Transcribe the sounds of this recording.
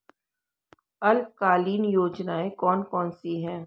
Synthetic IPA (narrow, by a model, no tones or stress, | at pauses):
ɐlkaːliːnjoːd͡ʒnaːekɔːnkɔːnsiɦɛ̃ː